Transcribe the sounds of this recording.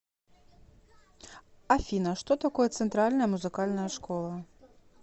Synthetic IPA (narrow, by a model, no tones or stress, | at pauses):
afʲinɐʂt̪ɔt̪akɔjɐt̪sɛnt̪ɾalʲnɐjɐmuzɨkalʲnɐjɐʂkɔlˠɐ